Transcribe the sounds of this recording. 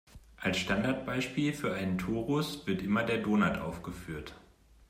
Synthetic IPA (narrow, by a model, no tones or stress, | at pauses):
ʔalsʃtandaɐt̚b̥aɪʃpiːlfyːɐʔaɪnəntʰoːʁʊsv̥ɪɐtʔɪmɐdeːɐdoːnaɐtʔa̰ʊfɡ̥əfyːɐt